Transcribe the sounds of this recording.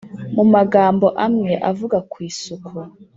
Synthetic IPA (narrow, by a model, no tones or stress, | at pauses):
mumaɡaːmbo̞ʔamŋeʔavuɡakwiːsukʰu